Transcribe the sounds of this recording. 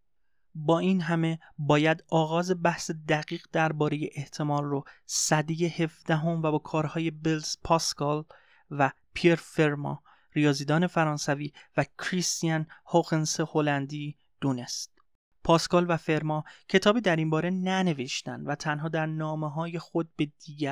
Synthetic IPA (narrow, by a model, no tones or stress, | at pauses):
bɒːiːnɦæme̞bɒːjæd̪ɒːɣɒːze̞bæhse̞d̪æɣiːɣd̪æɾbɒːɾe̞je̞ʔeht̪ʰe̞mɒːlrosæd̪ije̞he̞fd̪æɦo̞mvæbɒːkʰɒːɾhɒːje̞belspʰɒːskʰɒl | væ | pʰieɾfe̞ɾmɒ̰ː | ɾijɒːziːd̪ɒːne̞fæɾɒːnsæviːvæcʰɾist̪ijænhoɣenseho̞lænd̪iː | d̪̥uːne̞st̪̚ | pʰɒːskɒːlvæfe̞ɾmɒːcʰe̞t̪ʰɒːbiːd̪æɾimbɒːɾe̞næne̞veʃt̪æ̰nd̪væt̪ʰænɦɒːd̪æɾnɒːmeɦɒːje̞xo̞d̪̚be̞d̪̥iːɡæ